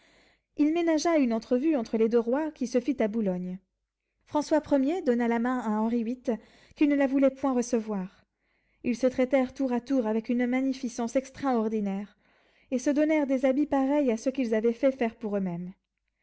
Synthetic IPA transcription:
ilmenaʒaynɑ̃t̪χəvyɑ̃t̪χəled̪øʁwakʲisəfit̪abulɔɲ | fχɑ̃swapχəmjed̪ɔnalamɛ̃aɑ̃ʁiwit̪ | kʲilnəlavulɛpwɛ̃ʁəsəvwaʁ | ilsət̪χɛt̪ɛʁt̪uʁat̪uʁavɛkynmaɲifisɑ̃sɛkst̪χaɔʁd̪inɛʁ | esəd̪ɔnɛʁd̪ezabipaʁɛjasəkilzavɛfɛfɛʁpuʁømɛm

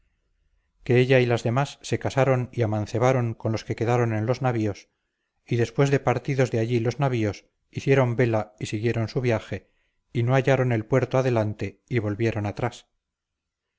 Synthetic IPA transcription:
ke̞eʎailazðe̞masːe̞kasaɾo̞ŋiaman̟θe̞βaɾo̞ŋkonlo̞ske̞ke̞ðaɾo̞nenlo̞znaβio̞s | iðe̞spwe̞zðe̞paɾt̪iðo̞zðeaʎilo̞znaβio̞s | iθje̞ɾo̞mbe̞laisiɣje̞ɾo̞nsuβjaxe̞ | ino̞aʎaɾo̞ne̞lpwe̞ɾt̪oaðe̞lant̪e̞iβo̞lβje̞ɾo̞nat̪ɾas

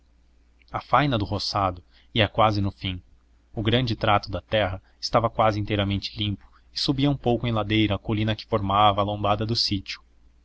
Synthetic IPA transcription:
ɐfajnɐd̪ʊɦosad̪ʊ | iɐkwazɪnʊfĩ | ʊɡɾɐ̃nd͡ʒɪt̪ɾat̪ʊd̪ɐt̪ɛɦɐ | ɪst̪avɐkwazɪĩnt̪ejɾɐmẽnt͡ʃɪ̥lĩmpʊ̥ | ɪsubiɐũpowkʊẽj̃lad̪ejɾɐːkolĩnɐkɪ̥foɾmavɐːlõbad̪ɐd̪ʊsit͡ʃʊ̥

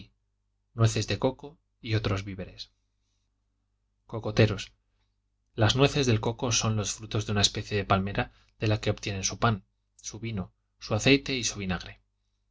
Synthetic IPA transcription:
nwe̞θe̞zðe̞ko̞ko̞ | io̞t̪ɾo̞zβiβe̞ɾe̞s | ko̞ko̞t̪e̞ɾo̞s | laznwe̞θe̞zðe̞lko̞ko̞so̞nlo̞sfɾut̪o̞zðunae̞spe̞θje̞ðe̞palme̞ɾa | ðe̞lake̞o̞pt̪je̞ne̞nsupan | suβino̞ | suaθe̞jt̪e̞isuβinaɣɾe̞

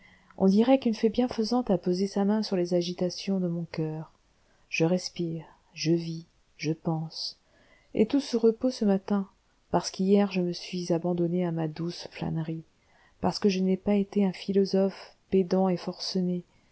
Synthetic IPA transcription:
ɔ̰̃d̪iʁɛkynfɛbjɛ̃fəzɑ̃t̪apozesamɛ̃syʁlezaʒit̪asjɔ̃d̪əmɔ̃kœːʁ | ʒ̥əʁɛspiːʁ | ʒəvi | ʒəpɑ̃s | ḛt̪usəʁəposəmat̪ɛ̃ | paʁsə̥kijɛʁʒəməsɥizabɑ̃d̪ɔneamad̪usfla̰nʁi | paʁsə̥kəʒənɛpaet̪eɛ̃filɔzɔf | ped̪ɑ̃efɔʁsɔne

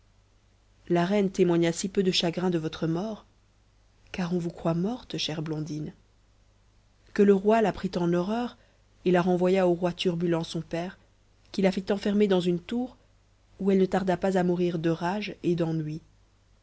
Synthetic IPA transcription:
laʁɛnt̪emwaɲasipød̪əʃaɡʁɛ̃d̪əvɔt̪χəmɔːʁ | kaʁɔ̃vukχwamɔʁt̪ʃɛʁblɔ̃d̪in | kələʁwalapχit̪ɑ̃nɔʁœːʁ | elaʁɑ̃vwajaoʁwat̪yʁbylɑ̃sɔ̃pɛʁ | kʲilafit̪ɑ̃fɛʁmed̪ɑ̃zynt̪uʁ | uɛlnət̪aʁd̪apazamuʁiʁd̪əʁaʒed̪ɑ̃nɥi

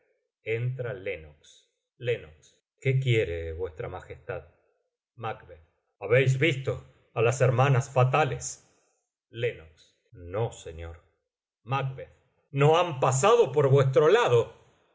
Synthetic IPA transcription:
ent̪ɾalenoks | lenoks | kek̬jeɾeβwest̪ɾamaxest̪að | makβeð | aβejz̬βist̪o̞ | alaseɾmanasfat̪ales | lenoks | noseɲoɾ | makbeð | noampas̬aðo̞poɾβwest̪ɾolaðo

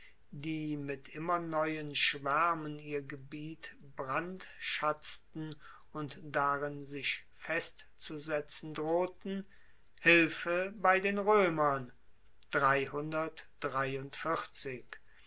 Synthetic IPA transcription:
diːmɪtʔɪmɐnɔʏənʃv̥ɛɐməniːɐɡəbiːt | b̥ʁantʃat͡stn̩ | ʊntd̥aʁɪnzɪʃ | fɛstt͡suzɛt͡sn̩dʁoːtn̩ | hɪlfəbaɪdeːnʁøːmɐn | d̥ʁaɪhʊndɐtd̥ʁaɪʊntfɪχt͡sɪk

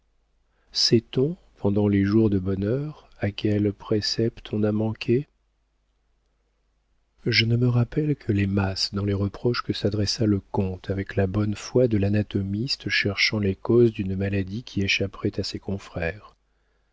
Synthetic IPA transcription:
sɛt̪ɔ̃ | pʰɑ̃d̪ɑ̃leʒuʁd̪əbɔnœʁ | akʲɛlpχesɛpt̪ʰɔ̃namɑ̃kʲʰe | ʒənəməʁapɛlkʰəlemasd̪ɑ̃leʁəpχɔʃkəsad̪ʁɛsaləkɔ̃t̪ʰavɛklabɔnfwad̪əlanat̪ɔmist̪ʃɛʁʃɑ̃lekɔzd̪ynmalad̪ikʲʰieʃapχɛt̪asɛkɔ̃fχɛːʁ

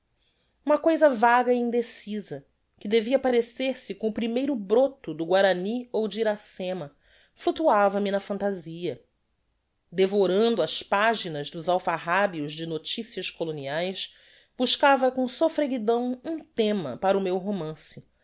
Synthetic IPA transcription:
ũmɐkojzɐvaɡɐiĩnd̪esizɐ | kɪd̪eviɐpaɾeseɾsɪkõʊpɾimejɾʊbɾot̪ʊd̪ʊɡwaɾɐniowd͡ʒiɾasẽmɐ | flut̪uavɐmɪnɐfɐ̃nt̪aziɐ | d̪evoɾɐ̃nd̪ʊɐspaʒinɐzd̪ʊzawfaɦabiʊzd͡ʒɪnot͡ʃisiɐʃkoloniajs | b̥uʃkavɐkõsofɾeɡid̪ɐ̃w̃ũt̪ẽmɐ̰paɾʊmewɦomɐ̃sɪ

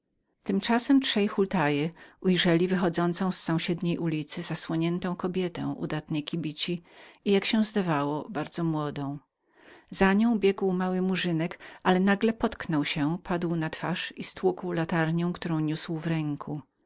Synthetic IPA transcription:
t̪ɘmt͡ʂasɛmtʂɛjxult̪ajɛujʐɛlʲivɘxɔd̪zɔnt̪sɔ̃w̃ssɔ̃w̃ɕɛd̪ɲejʔulʲit̪sɘzaswɔɲɛnt̪ɔ̃w̃kɔbʲjɛt̪ɛ̰̃w̃ʔṵd̪at̪nɛjkʲibʲit͡ɕiijakɕɛ̃zd̪avawɔbaɾd̪zɔmwɔd̪ɔ̃w̃ | zaɲɔ̃w̃bʲjɛɡwmawɘmuʐɘnɛkʔalɛnaɡlɛpɔt̪knɔwɕɛpʰad̪wnat̪faʂist̪wukwlat̪aɾɲɔ̃w̃kt̪uɾɔ̃w̃ɲuswvɾɛŋkʰu

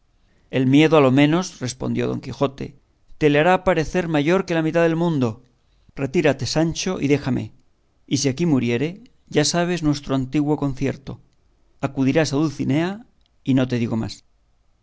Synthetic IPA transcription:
e̞lmje̞ðoalo̞mẽ̞no̞sre̞spo̞̰nd̪jo̞̰ðo̞̰ŋkixo̞t̪e̞̰ | t̪e̞leaɾapaɾe̞θe̞ɾmaʝo̞ɾke̞lamit̪aðelmũnd̪o̞ | re̞t̪iɾat̪e̞sanʲt͡ʃo̞ʔḭðe̞xame̞̰ | isiakimuɾje̞ɾe̞ | ʝasaβ̞e̞znwe̞st̪ɾo̞ant̪iɣwo̞ko̞n̟θje̞ɾt̪o̞̰ | akuðiɾasaðulθine̞a | ino̞t̪eðiɣo̞ma̰s

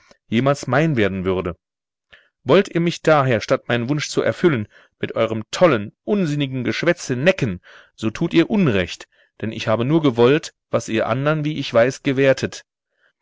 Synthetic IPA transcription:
jeːmaːlsmaɪnveːɐdn̩vʏɐdə | vɔltʔiːɐmɪçd̥aːɦeːɐʃtatmaɪnənvʊnʃt͡suʔɛ̰ɐfʏlən | mɪtʔɔʏʁ̞əmtʰɔlənʔʊnzɪnɪɡŋ̩ɡəʃv̥ɛt͡sənɛkən | z̥oːtʰuːtiːɐʔʊnʁɛçt | d̥ɛnʔɪ̰çhaːbənuːɐɡəvɔlt | v̥asʔiːɐʔa̰ndɐnviːʔɪçv̥aɪsɡ̥əveːɐtʰət

